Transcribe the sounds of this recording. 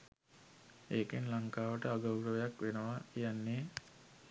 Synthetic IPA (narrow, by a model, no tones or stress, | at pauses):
eːkinlaŋkaːʋəʈəaɡawɾəʋejakʋenəʋaijanːeː